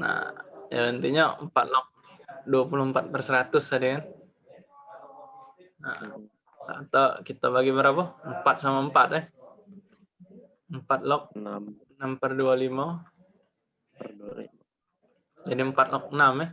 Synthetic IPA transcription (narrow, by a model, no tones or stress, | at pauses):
na̰ja̰lənt̪iɲaəmpat̪̚lɔk̚ | duapulʊhəmpat̪̚pərsəɾat̪ʊsadikan | na̰ | sa̰t̪akit̪abaɡibəɾapaəmpat̪̚samaəmpat̪̚ɛh | əmpat̪̚lɔk̚ənampərdualima | d͡ʒadiəmpat̪̚lɔk̚ənama